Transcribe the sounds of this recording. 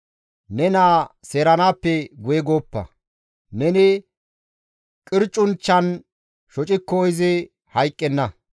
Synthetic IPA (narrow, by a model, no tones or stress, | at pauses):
nɛnaːse̞ːɾɐnaːpːɛɡʊjɛɡoːpːɐ̰ | nɛnɪ | kʼɪɾt͡ʃʼːʊnt͡ʃːɐn | ʃɔt͡ʃʼɪkːɔːɪzɪ | hɐjkʼːɛnːɐ